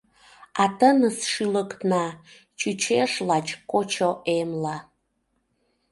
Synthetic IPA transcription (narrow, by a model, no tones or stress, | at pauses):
ɑt̪ənəsʃilək̪nɑ | t͡ʃut͡ɕeʃlɑt͡ɕkot͡ɕoʔemlɑ